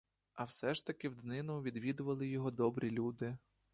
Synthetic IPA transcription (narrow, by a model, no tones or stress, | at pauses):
ɐwsɛʃt̪ɐkɪwd̪nɪnʊʋʲid̪ʋʲid̪ʊʋɐlˠɪjɔɦɔd̪ɔbɾʲʔilʲud̪ɪ